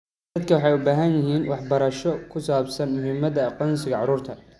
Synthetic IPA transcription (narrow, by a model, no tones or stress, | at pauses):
d̪ɐd̪kʰɐwɑħɑjʊbaːɦɐnjɪɦiːnwɑħbɐɾɐʃɔkʰʊsaːbsɐnmʊɦɪmːɐðɐqɔnsɪɣɐʕɑɾuːrt̪ʰɐ